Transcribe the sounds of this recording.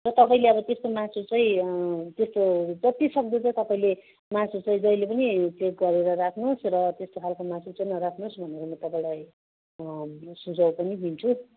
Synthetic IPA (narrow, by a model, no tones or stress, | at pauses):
rʌt̪ʌpaĩleʌbʌt̪est̪omãt͡sut͡sʌĩt̪est̪od͡zʌt̪ːisʌk̚d̪ʌt͡sʌt̪ʌpaĩle | mãsut͡sʌĩd͡zʌjlepʌnit͡sek̚ɡʌɾeɾʌrakʰnusrʌt̪est̪okʰalkomãsut͡sʌĩnʌɾakʰnusbʱʌneɾomʌt̪ʌpaĩlaj | sud͡zʌwpʌnibʱint͡sʰu